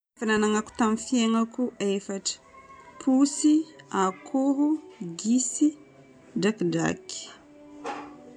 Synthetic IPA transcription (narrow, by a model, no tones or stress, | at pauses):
efananaŋaku̥t̪amfijeŋakuʔefaʈ͡ʂə̥pʰusiakʰuɦuɡisi | dakda̰ki̥